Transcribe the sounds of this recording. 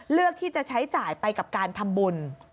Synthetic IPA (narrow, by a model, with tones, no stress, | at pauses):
lɯ˥˩ək̚t̪ʰiː˥˩t͡ɕa˨˩t͡ɕʰa˦˥jt͡ɕaː˨˩jpa˧jka˨˩p̚kaː˧nt̪ʰa˧mbu˧n